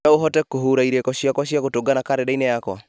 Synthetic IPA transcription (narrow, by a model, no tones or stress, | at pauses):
aoɦɔtɛkoɦoɾaiɾekɔɕiakwaʃjaɣotoɡanakaɾɛdainɛjakwa̰